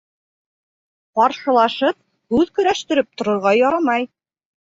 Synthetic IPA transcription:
qɒɾʃɤ̆lˠɑʃɤp̚ | hʉðkɵ̆ɾæʃt̪ɘ̆ɾɘp̚t̪ŏɾŏɾʁɑjɒɾɑmɑj

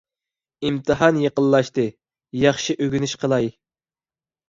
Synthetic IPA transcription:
imt̪ʰɨɦɑnjəqəlˠːɑʃt̪ɨ | jɑχʃiʔøɡʲynyʃqʰəlˠɑj

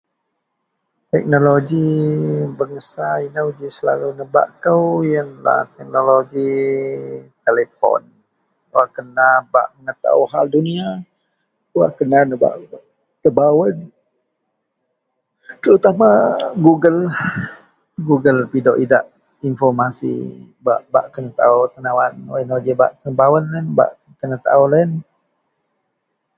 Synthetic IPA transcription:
t̪ɛk̚noloɡi | bəŋəsainəwd͡ʒisəla̰lunəba̰ʔt̪əwjəŋla̰t̪ɛk̚noloɡi | t̪elepɔ̰n | waʔkənaba̰ʔməŋət̪a̰uɦaldunia | wa̰ʔkənanəba̰ʔ | t̪əbawən | t̪əɾut̪amaɡuɡəl | ɡuɡəlpidɔʔidaʔ | infɔrmasḭbaʔbaʔkənat̪aut̪ənawanainod͡ʒəba̰ʔt̪əbawənlənba̰ʔ | kənat̪a̰ulən

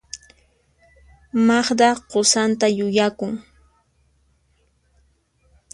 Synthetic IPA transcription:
mɑχd̪ɑɢosant̪ajʊjakʊŋ

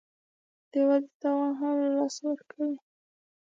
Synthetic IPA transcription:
d̪̥əwad̪et̪awɑnxɑnlalɑsawəɾkʰawi

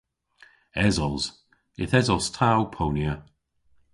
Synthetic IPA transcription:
ɛzɔlˠz | ɪθɛzɔlˠstʰawpʰownjə

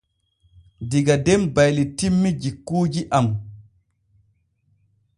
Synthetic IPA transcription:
diɡadembajlitimːid͡ʒikːuːd͡ʒiʔam

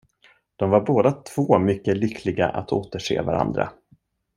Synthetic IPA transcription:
d̪̥ɔmvaɾboːd̪at̪ʰv̥oːmʏkːəlʏkʰlɪɡa̰ʔat̪ʰoːt̪əʂḛːvaɾa̰nd̪ɾa̰

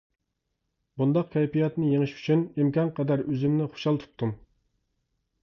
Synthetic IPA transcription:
bund̪ɑq̚kʲʰɛjpijɑt̪nɨjeŋɨʃy̥t͡ʃʰynimkʲɑnqʰɛd̪æɾøzymnɪχo̥ʃɑlˠt̪ʰu̥p̚t̪ʰːum

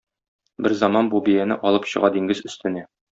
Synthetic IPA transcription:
bɘɾzɒmɑnbubijænɘ̰ʔɒlˠɤpɕɤ̆ʁɑd̪iŋɡɘzɵ̆st̪ɘ̆næ

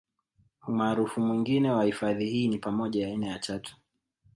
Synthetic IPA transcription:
umaːɾufumwiŋɡinɛwahifaðihiːnipamɔʄajaːinajatatu̥

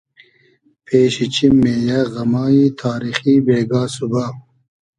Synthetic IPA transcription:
pʰeːɕit͡ɕimːeːjɐɣɐmaːit̪ʰaːɾixibeːɡaːsuba

